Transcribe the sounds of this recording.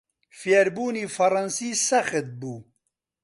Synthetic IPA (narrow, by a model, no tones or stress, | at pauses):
fijɛɾbuːniːfɐɾˤɑnsiːsɐxɨt̪̚buː